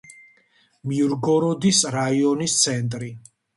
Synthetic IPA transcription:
mjuɾɡɔɾɔd̪isɾaiɔnist̪sʰɛnt̪ʼɾi

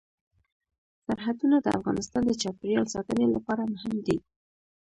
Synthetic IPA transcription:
saɾɦad̪unad̪əa̰fɣɑ̰nɪst̪ɑnd̪ət͡ʃɑpɪɾjɑlsɑt̪ənelapɑɾamʊhɪmd̪i

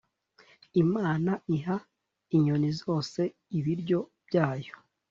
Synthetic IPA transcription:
imaːnaʔiɦa | iɲonizo̞ːse̞ | iβiɾɟo̞b̥ɟaːjo̞̥

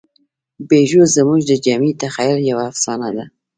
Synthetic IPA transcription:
beʒozəmuʒd̪əd͡ʒamit̪axajiɾjawaːfsɑnad̪a

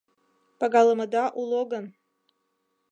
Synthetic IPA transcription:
paɡɑlˠəməd̪ɑʔulˠoɡən

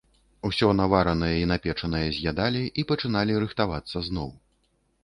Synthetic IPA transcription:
usʲɔnavaɾɐnɐjɐin̪apʲɛt͡ʂɐnɐjɛzʲjʲad̪alʲiʔipɐt͡ʂɨn̪alʲiɾɨxt̪avat̪sːɐznɔw

